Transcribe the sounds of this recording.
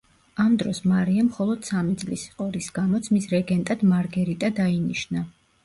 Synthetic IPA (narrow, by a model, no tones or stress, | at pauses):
amd̪ɾɔsmaɾiamχɔlˠɔd̪̥samid̪zʼlisi̥qʼɔɾisɡ̥amɔt̪sʰmisɾɛɡɛnt̪ʼad̪̥maɾɡɛɾit̪ʼad̪ainiʃna